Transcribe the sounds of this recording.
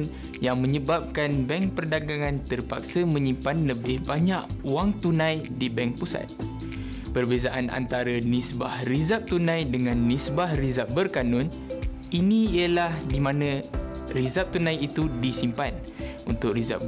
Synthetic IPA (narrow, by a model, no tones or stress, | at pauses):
n | jaŋmə̃ɲəbap̚kanbɛŋpərdaɡaŋant̪ərpa̰k̚səmə̃ɲimpanləbɪhbaɲaʔwaŋt̪unãjdibɛŋk̚pusa̰t̪̚ | pərbezaʔana̰nt̪aɾənisbahrizap̚t̪unãjdəŋanːisbahrizap̚bərkanʊn | iniiəlahdimãnə̃ | rizap̚t̪unãjit̪udisimpan | ṵnt̪ʊk̚riza̰p̚